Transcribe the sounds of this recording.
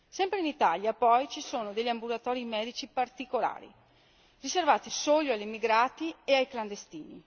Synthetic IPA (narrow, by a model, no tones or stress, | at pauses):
sɛmpɾeinit̪aljapɔjt͡ʃisoːnod̪eʎːiambulat̪ɔːɾimɛːd̪it͡ʃipart̪ikola̰ːɾḭ | riservaːt̪isoːloalːimiɡɾaːt̪ieajkland̪est̪iːni